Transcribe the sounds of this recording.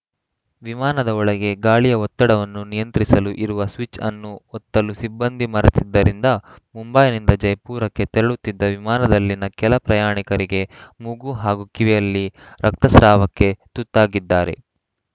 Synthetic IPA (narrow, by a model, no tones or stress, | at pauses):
ʋimaːnɐd̪ɐɔɭɐɡe̞ɡaːɭijɐɔt̪ːɐɽɐʋɐnːunijɐnt̪ɾisɐluʔiɾuʋɐsʋit͡ʃɐ̰nːuɔt̪ːɐlusibːɐnd̪imɐɾɐt̪id̪ːɐɾind̪ɐmumbɐjnind̪ɐd͡ʒɐjpuːɾɐkːe̞t̪eɾɐɭut̪ːid̪ːɐʋimaːnɐd̪ɐlːinɐkɛlɐpɾɐjaːɳikɐɾiɡe̞muɡuɦaːɡukiʋɛjɐlːiɾɐk̚t̪ɐsɾaːʋɐkːe̞t̪ut̪ːaːɡid̪ːaːɾe̞̰